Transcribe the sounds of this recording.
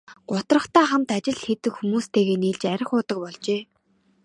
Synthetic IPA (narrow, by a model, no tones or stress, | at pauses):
ɢ̥ʊt̪rə̆χt̪æːχam̥t̪at͡ɕɪ̆ɮxet̪ɘ̆kxumuːst̪ʰeːɣeːniːɮt͡ɕæɾʲɪ̆χʊːt̪ə̆k̚pɔɮt͡ɕeː